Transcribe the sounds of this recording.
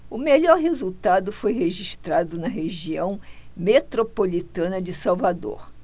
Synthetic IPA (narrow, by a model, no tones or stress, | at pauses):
ʊmeʎɔɾɦezuwt̪ad̪ʊfojɦeʒiʃt̪ɾad̪ʊnɐɦeʒiɐ̃w̃met̪ɾopolit̪ɐ̃nɐd͡ʒɪsawvad̪o̰ɾ